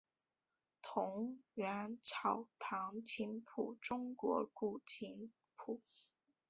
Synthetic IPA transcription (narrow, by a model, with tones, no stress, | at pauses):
t̪ʰʊ˧˥ŋɥa˧˥nʈ͡ʂʰɑ˨˩ʊt̪ʰɑ˧˥ŋt͡ɕʰi˧˥npʰu˨˩ʈ͡ʂʊ˥ŋkwɔ̰˧˥ku˥˩t͡ɕʰi˧˥n | pʰu˨˩˦